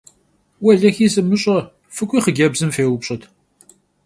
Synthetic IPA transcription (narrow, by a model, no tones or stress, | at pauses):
wɐɮɐxiːsɨmɨɕʼɐ | fɨkʷʼiːχəɡʲɐbzɨmfeːwʊpɕʼɐt̪ʰ